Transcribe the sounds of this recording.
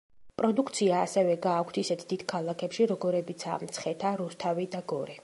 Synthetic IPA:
pʼɾɔd̪ukʰt̪sʰiaːsɛvɛɡaːkʷʰt̪ʰisɛt̪ʰd̪id̪̥kʰalˠakʰɛpʃiɾɔɡɔɾɛbit̪sʰa̰mt̪sʰχɛt̪ʰaɾust̪ʰavid̪aɡɔɾɛ

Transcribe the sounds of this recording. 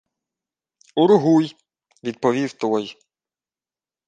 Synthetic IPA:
uɾʊɦuj | ʋʲid̪̚pɔʋʲiwt̪ɔj

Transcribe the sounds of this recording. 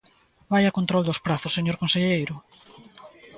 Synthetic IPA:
bajakont̪ɾɔld̪ʊspɾaθʊsːeɲoɾkõnseʎejɾʊ

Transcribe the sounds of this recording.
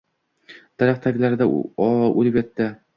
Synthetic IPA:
d̪̥aɾæχt̪ʰaɡʲlaɾɪd̪a̰olɪpʲjɛt̪ːɪ

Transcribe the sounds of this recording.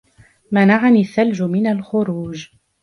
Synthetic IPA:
manaʕanɪθːald͡ʒʊmɪnalxʊɾuːd͡ʒ

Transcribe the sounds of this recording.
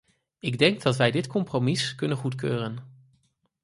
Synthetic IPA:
ɪɡdɛŋɡ̚dɑtʋɛjdɪtkɔmpromɪskɵnənχutkøːrən

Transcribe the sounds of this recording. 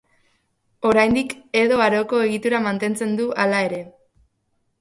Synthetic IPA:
o̞ɾajnd̪ike̞ðo̞aɾo̞ko̞e̞ɣit̪uɾamant̪e̞nt͡se̞nd̪ualae̞ɾe̞

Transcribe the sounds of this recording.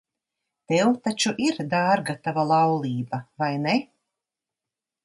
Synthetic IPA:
t̪ɛwt̪at͡ʃuʔiɾd̪aːɾɡat̪avalˠɑwlˠiːbavajne

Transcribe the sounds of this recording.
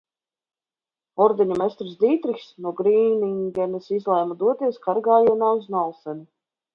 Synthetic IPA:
ɔɾd̪ɛɲumest̪ɾisd̪iːt̪ɾixsnuɔɡɾiːniŋɡʲɛnɛsizlˠɛjmad̪uɔt̪iɛskaɾɡaːjanaːuznɔlˠsɛnu

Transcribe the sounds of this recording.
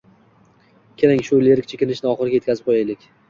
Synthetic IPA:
kʲʰe̞ɾɪŋʃʊleɾk̚ʲt͡ʃʰekʲɪnɪʃnɪɒχɨɾɪɡʲajt̪kʲʰazɪp̚qʰojajlɪkʲ

